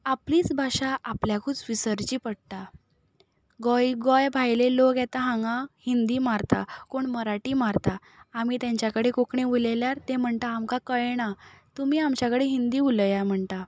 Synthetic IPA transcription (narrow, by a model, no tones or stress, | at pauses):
apliːt͡sbʱaɕaʔapljakʰuːt͡sʋisəɾt͡ɕiːpəɽt̪a | ɡɔjɡɔjbʱajlelokjɛt̪aɦãŋɡãhind̪iːmaɾt̪a̰koɳməɾaʈiːmaɾt̪aː | mit̪jãɲt͡ɕjakəɽekokɳeʋuleljaɾt̪em̤əɳt̪aːmkakəjɽat̪umiːamt͡ɕjakəɽeɦind̪iːuləjam̤əɳt̪a